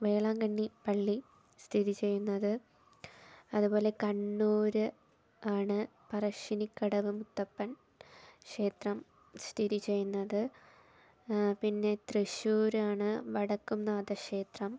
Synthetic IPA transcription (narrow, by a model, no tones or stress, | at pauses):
ʋe̞ːɭaːŋɡɐɳːipɐɭːi | st̪ʰiðit͡ɕe̞jːunːɐðɨ | ɐðubo̞ːle̞kɐɳːuːɾɨ | aːɳɨ | pɐrɐʂinikːɐɽɐʋɨmut̪ːɐpːɐn | kʂe̞ːt̪rɐm | st̪ʰiðit͡ɕe̞jːunːɐðɨ | pinːe̞t̪reɕuːɾaːɳɨʋɐɽɐkːumnːaːd̪ɐkʂe̞ːt̪rɐm